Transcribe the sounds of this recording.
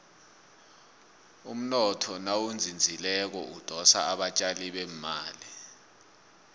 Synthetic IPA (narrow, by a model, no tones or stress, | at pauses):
um̩nɔtʰɔnawund͡zʱind͡zʱilɛk̬ɔud̥ʱɔsa̰aɓat͡ʃʼaliɓɛmmaːli